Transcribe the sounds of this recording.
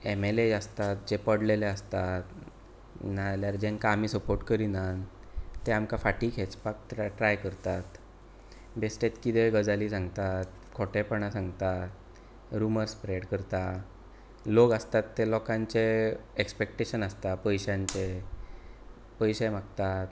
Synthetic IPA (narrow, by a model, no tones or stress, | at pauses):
emeled͡zast̪at̪̚d͡ʑepəɽleleəst̪at̪ | naljaɾd͡ʑẽŋkaːm̤iːsəpoɾʈkəɾinan | t̪eamkafaʈikʰet͡spak̚ʈ̪ʈɾajkəɾt̪at̪ | besʈet̪kit̪eɡəd͡zaliːsãŋɡt̪at̪ | kʰɔʈepəɳ̃asãŋɡt̪at̪ | ɾuməɾspɾeɽkəɾt̪a | loɡəst̪at̪ːelɔkãɲt͡seekspek̚ʈeɕənast̪apəjɕãɲt͡ɕe | pəjɕemakt̪at̪